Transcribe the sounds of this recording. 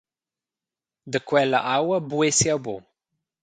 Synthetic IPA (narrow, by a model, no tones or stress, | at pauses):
d̪əkwɛlə̰ʔawəbuesjawbo̰